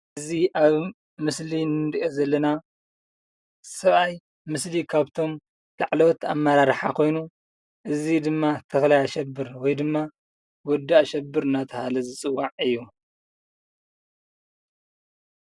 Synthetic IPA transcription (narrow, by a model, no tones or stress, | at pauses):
ʔɨziʔaβ | mɨslinɨd̪ʔozɐlːɐna | sɐβaj | mɨslikʰaβt̪ʰo̞m | laʕlowt̪a̰mːɐɾaɾħakʰo̞jnu | ʔɨzid̪ɨmːat̪ʰɐxlajaʃɛbːɨɾwɔjd̪ɨmːa | wɔd̪ːaʔʃɐbːɨɾɨnat̪ʰɐhalɐzɨt͡sʼɨwːaʕɨjːu